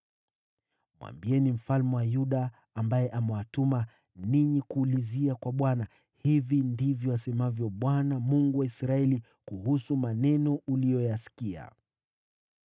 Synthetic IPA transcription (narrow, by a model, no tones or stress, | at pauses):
mwa̰mbiɛnim̩falmɛwajuɗaː | mbajɛʔamɛwatuma | niɲikuːliziakwaɓwana | hivindivjɔasɛmavjɔɓwanamuŋɡuwaisɾaɛli | kuhusumanɛnɔʔulijɔjasi̥kia̰